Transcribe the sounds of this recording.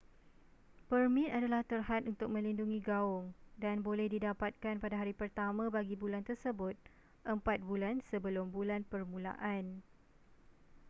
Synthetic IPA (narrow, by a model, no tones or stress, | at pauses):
pərmĩt̪adalaht̪ərɦat̪ʔunt̪ʊk̚mə̃linduŋĩɡaʊŋdanbolɛhdidapat̪̚kanpadaɦaɾipərt̪amãbaɡibulant̪ərsəbʊt̪̚ | ʔəmpat̪̚bulansəbəlʊmbulanpərmũla̰ʔan